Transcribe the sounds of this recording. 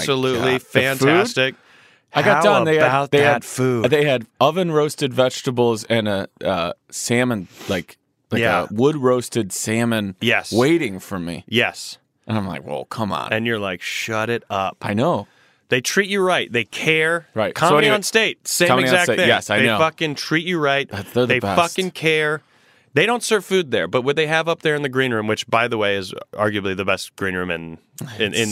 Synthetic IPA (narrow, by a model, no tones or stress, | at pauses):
səlutˡlifæ̃nfʰʉædstɪk̚ | aɪɡɑdaʊ̃nnðeɪaʊtðeɨdfuðeɪɨdʌvɨ̃nɹoʊstɨdvɛd͡ʒ̥təbl̩ˠzɨ̃nɨʌ̰sæ̃mə̃nlaɪk | laɪɨ̰wʊd̚ɹoʊstɨdsæ̃mɨ̃njɛsweɪɾɪ̃ŋfə˞mḭjɛs | ɨ̃nãɪ̃mlaɪkwɛ̰lˠkʰʌ̃mə̰̃nɨ̃njə˞laɪkʃʌɾɪɾʌp̚aɪnoʊ | ðeɪtʰɹ̥it͡ʃɨɹaɪt̪̚ðeɪkʰɛɹɹaɪtkʰɑ̃iə̃nsteɪt̚sẽɪ̃mɨzækejɛsaɪeɪofʌkɨ̃ntʰɹ̥it͡ʃɨɹaɪt̚ðætsðəððeɪɛfʌkɨ̃nkʰɛɹ | ðeɪɾõʊ̃ntsɜ˞v̥fʉd̪̚ðə̰˞bʌt̚wəd̪̚ðeɪɨvʌp̚ðə˞ɨ̃nðɨɡɹĩnɹʉ̃mwɨt͡ʃb̥aɪðəweɪɨzɑɹɡjɨbliðɨbɛst̚ɡ̥ɹĩnɹʉ̃mɨ̰̃n | ɪ̃nʔɪ̃n